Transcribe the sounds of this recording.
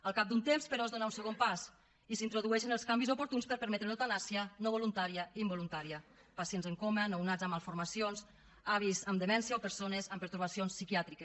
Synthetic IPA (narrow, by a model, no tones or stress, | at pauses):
əlˠkap̚d̪unt̪emspəɾɔzðonaunsəɣ̞ompas | isint̪ɾoðuɛʃənəlˠskambizopuɾt̪unspəɾpəɾmɛt̪ɾenowt̪anasiənoβolunt̪aɾiəimbolunt̪aɾiə | pasienzəŋkomənownad͡zəmalˠfuɾmasionz | aβ̞izəmd̪əmɛnsiaopəɾsonezəmpəɾt̪uɾβasionsːikiat̪ɾike